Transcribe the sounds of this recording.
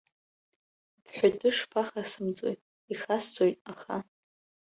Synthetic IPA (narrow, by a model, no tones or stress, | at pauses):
pʰħʷᶣadʰʼʊʂpʰaχasɨmt͡sʼo̰jtʼ | iχasd͡zʼojtʼaχa